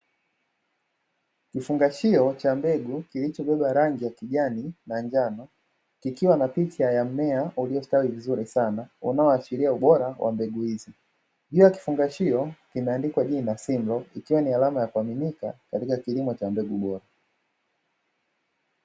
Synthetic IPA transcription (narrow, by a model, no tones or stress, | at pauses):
kifuŋɡaʃiɔt͡ʃambɛɡukilit͡ʃɔɓɛɓaɾaŋɡijakiʄaninand͡ʒanɔ | kikiwanapitiajam̩mɛaʔuliɔstawivizuɾisanaṵnaɔaʃiɾiauɓɔɾawʔa̰mbɛɡuhizi | ʄujaki̥fuŋɡaʃiɔkimɛandikwaʄinasimblɔikiwanialamajakuaminikakatikakilimɔt͡ʃambɛɡuɓɔɾa